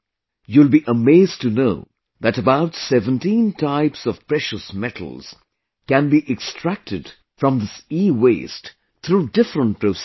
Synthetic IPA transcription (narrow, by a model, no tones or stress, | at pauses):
julˠbiʔəmeɪztɨnoʊ | ðætəbaʊtsɛvə̃ntĩntʰaɪpsɔv̥pɹɛʃəsmɛtʰl̩ˠz̥ | kæ̃nbiʔɛkstʰɹ̥æk̚tʰɨd | fɹʌ̃mðɪsiweɪst | t̪ʰɾudɪfɾə̃nt̚pɾos